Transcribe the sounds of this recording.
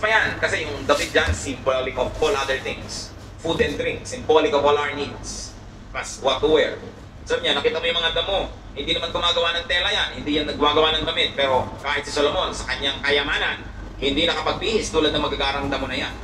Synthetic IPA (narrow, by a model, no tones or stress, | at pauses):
pɐjankɐsɛjʊŋd̪ɐbɪt̪̚d͡ʒansɪmbolɪkofpolʔad̪ɛɹt̪ɪŋs | fud̪ɛnd̪ɾɪŋksɪmbolɪkovolaɹnid̪s | pɐswat̪uwɛɹ | sɐbɪɲanɐkiːt̪ɐmojʊŋmɐŋad̪ɐmo̞ | hɪnd̪inɐmanɡʊmaːɡɐwaːnɐŋt̪ɛːlɐjanhɪnd̪ijanːɐɡʊmaːɡɐwaːnɐŋɡ̪ɐmɪt̪̚pɛːɾo̞kaːhɪt̪sɪsolomo̞nsɐkɐɲaŋkɐjɐmaːnɐn | hɪnd̪inɐkɐpɐɡ̚biːhɪst̪uːlɐd̪nɐmɐɡaɡaːɾɐŋd̪ɐmonɐjan